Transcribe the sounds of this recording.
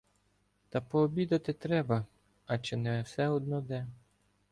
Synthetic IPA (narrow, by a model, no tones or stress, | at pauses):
t̪ɐpɔːbʲid̪ɐt̪ɪt̪ɾɛbɐ | ɐt͡ʃɪnɛwsɛɔd̪̚nɔd̪ɛ